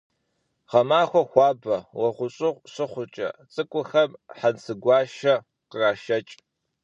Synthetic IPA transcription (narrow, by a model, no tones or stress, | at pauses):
ʁɐmaːxʷɔxʷɑːbɐwɐχʷʊɕʼɪʁʷsɨχʷʊt͡ʃʼɐ̰t͡sʼɨkʷʼʊxɐmħansɨɡʷɑːʃɐ | qəraːʃɐt͡ʃʼ